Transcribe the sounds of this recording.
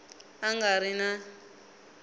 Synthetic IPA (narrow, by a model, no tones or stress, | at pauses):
aŋɡaɾina